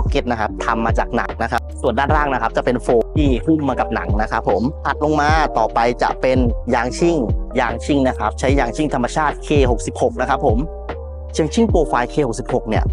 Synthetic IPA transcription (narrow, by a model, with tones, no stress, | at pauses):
ke˧˦˥t̪̚na˦˥kʰa˦˥p̚t̪ʰa˧mːaː˧t͡ɕa̰ː˨˩k̚na̰˨˩k̚na˦˥kʰa˦˥p̚su˨˩əndaː˥˩nɾaː˥˩ŋna˦˥kʰa˦˥p̚t͡ɕa˨˩pe˧nfoː˧t̪ʰiː˥˩pʰɯ˥˩mmaː˧ka˨˩p̚na̰˩˦ŋna˦˥kʰa˦˥pʰːo˩˦mt̪ʰa˨˩t̪̚lo˧ŋmaː˧t̪ɔː˨˩pa˧jt͡ɕa̰˨˩ʔpe˧njaː˧ŋt͡ɕʰi˥˩ŋjaː˧ŋt͡ɕʰi˥˩ŋna˦˥kʰa˦˥p̚t͡ɕʰa˦˥jːaː˧˩ŋt͡ɕʰi˥˩ŋt̪ʰa˧mːa˧t͡ɕʰaː˥˩t̪̚kʰeː˧ɦo˨˩k̚si˨˩p̚ho˨˩k̚na˦˥kʰa˦˥pʰːo˩˦m | t͡ɕʰi˧ə˧ŋt͡ɕʰi˥˩ŋpoː˧kʰaː˧jkʰeː˧ho˨˩k̚si˨˩p̚ho˨˩k̚ni˥˩ɐ